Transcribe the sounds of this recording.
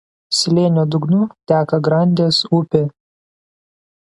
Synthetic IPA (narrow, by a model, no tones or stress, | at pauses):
sʲlʲeːnʲoːd̪ʊɡnut̪ʲæːkɐɡɾɐˑnʲd̪ʲeːsʊpʲɪ